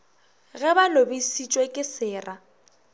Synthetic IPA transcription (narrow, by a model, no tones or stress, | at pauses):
ɣɛbalobisit͡ʃʼwekʼɪsɪːra